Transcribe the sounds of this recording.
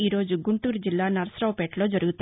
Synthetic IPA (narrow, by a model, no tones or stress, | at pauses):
iːɾo̞ːd͡ʒuɡuɳʈuːɾd͡ʒilːaːnɐɾɐsɾɐʋpeːʈloːd͡ʒɐɾuɡut̪